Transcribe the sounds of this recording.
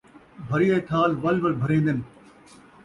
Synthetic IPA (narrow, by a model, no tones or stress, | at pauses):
bʱɐɾiːeːt̪ʰaːlʋɐlʋɐlbʱɐɾẽːnd̪ɪnɪ̆